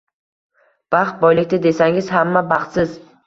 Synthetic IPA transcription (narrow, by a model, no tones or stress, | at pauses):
b̥ɑχt̪̚bɒjlɪk̚ʲt̪ɪd̪e̞saŋɪzhamːabɑχt̪sɪz